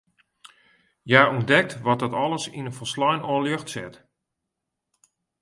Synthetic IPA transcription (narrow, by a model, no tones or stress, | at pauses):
jaundɛk̚tʋɔt̚dɔtɔlˠəsinəfɔslɔjnɔːljøxtsɪ̰t